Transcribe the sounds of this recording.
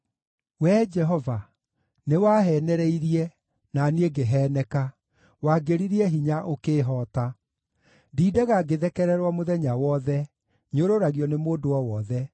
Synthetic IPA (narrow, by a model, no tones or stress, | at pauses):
wɛːd͡ʒɛɦɔva | newaɦɛːnɛɾɛiɾiɛ | nanieɡeɦɛːnɛka | waɡeɾiɾiɛɦiɲaʔokeːɦɔːta | diːdɛɣaɡeðɛkɛɾɛɾwamoðɛɲawɔðɛ | ɲoɾoɾaɣiɔnemoːdoɔwɔðɛ